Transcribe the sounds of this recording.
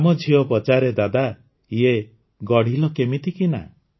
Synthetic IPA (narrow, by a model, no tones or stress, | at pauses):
mɔd͡ʒʱiɔpɔt͡ʃaɾed̪ad̪a | ie | ɡɔɽ̤ilɔkemit̪ikina̰